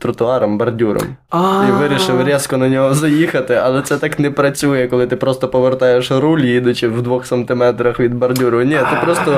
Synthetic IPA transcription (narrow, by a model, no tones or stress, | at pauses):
t̪ɾʊt̪ʊɑɾɐmbɐrdʲuɾɔ̰m | aiʋɪɾʲiʃɪwɾʲɛskɔnɐnʲɔɦɔzɐjixɐt̪ɪɐlˠɛt̪sɛt̪ɑknɛpɾɐt͡sʲujɛkɔlˠɪt̪ɪpɾɔst̪ɔpɔʋert̪ɑjeʃɾulʲjid̪ʊt͡ʃɪwd̪ʋɔxsɐnt̪ɪmɛt̪ɾɐxʋʲid̪̚bɐrdʲuɾʊnʲɛt̪ɪpɾɔst̪ɔ